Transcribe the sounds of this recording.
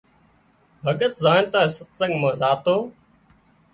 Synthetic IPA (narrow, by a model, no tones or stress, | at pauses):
bʱəɡət̪zaːnt̪aːesət̪sə̃ŋɡmãːzaːt̪oː